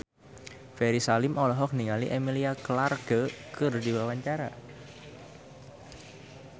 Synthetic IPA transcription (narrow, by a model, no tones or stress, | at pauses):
fɛɾisalɪmʔɔlɔɦɔk̚niŋaliʔemiliaklarɡ̥əkɨrdiwawaɲt͡ʃaɾa̰